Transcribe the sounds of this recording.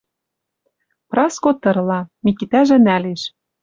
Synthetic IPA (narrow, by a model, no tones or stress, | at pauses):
prɑskot̪ɤ̆rlɑmikit̪æʒɘ̆næleʃ